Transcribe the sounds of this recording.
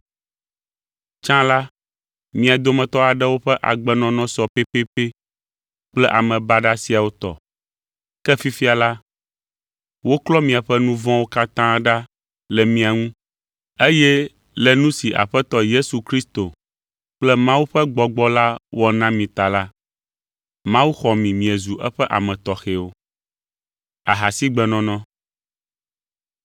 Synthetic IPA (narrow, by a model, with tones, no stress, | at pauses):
t͡ʃã˦la˦ | mĩ˨a˨d̪o˦mɛ̃˨t̪ɔ˦a˨ɖɛ˦wo˦ɸɛ˦ʔa̰˨ɡ͡bɛ˦nɔ̃˨nɔ̃˦sɔ˨pe˦pe˦pe˦ | k͡plɛ˦ʔa̰˨mɛ̃˨ba˦ɖa˦si˨a˨wo˦t̪ɔ̰˨ | kɛ˦fi˦fi˦a˨la˦ | wo˦klɔ˦mĩ˨a˨ɸɛ˦nũ˦vɔ̃˦wo˦ka˦t̪ã˦ɖa˦ | lɛ˨mĩ˦a˨ŋũ˦ | e˦jɛ˦ | lɛ˨nũ˦si˨ʔa̰˨ɸɛ˦t̪ɔ˦je˦su˨kɾi˦st̪o˨ | k͡plɛ˦mã˦wu˦ɸɛ˦ɡ͡bɔ˨ɡ͡bɔ˦la˦wɔ˦nã˦mĩ˨t̪a˨la˦ | mã˦wu˦xɔ˨mĩ˨mĩ˨ɛ˨zu˨ʔɛ˦ɸɛ˦ʔa̰˨mɛ̃˨t̪ɔ˨xe˨wo˦ | a̰˨ɦa˨si˦ɡ͡bɛ˨nɔ̃˦nɔ̃˦